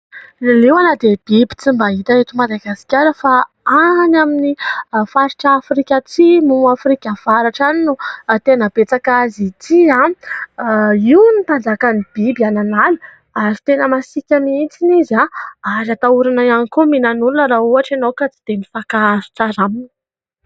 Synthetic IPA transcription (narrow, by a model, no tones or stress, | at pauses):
nlewanad̪eb̥ibi̥t͡simbaɦit̪aet̪umad̪aɡasi̥kʲaɾəfa | anaminifaɾiʈ͡ʂaːfɾikʲat͡simuafɾikʲav̥aɾaʈ͡ʂaninut̪enəb̥et͡sakazit̪ʰiã | iwnipand͡zakanib̥ibiananalu | aɾit̪enəmasikʲamint͡sinizaaɾat̪auɾanajanikuminanulunəɾauaʈ͡ʂanowkat͡si̥d̪̥emifakaɾi̥ʈ͡ʂaɾamin